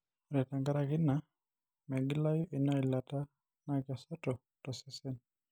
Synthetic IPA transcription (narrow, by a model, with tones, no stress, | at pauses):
ɾɛ˨ta˨ŋɡa˦ɾakɪ˦na˨ | mɛ˨ɡɪ˦la˦ju˦ʔɪ˨na˦i˨la˨ta˦ | na˦ka˨sɔ˦tɔ˨ | tɔ˨sɛ˦sɛ˦n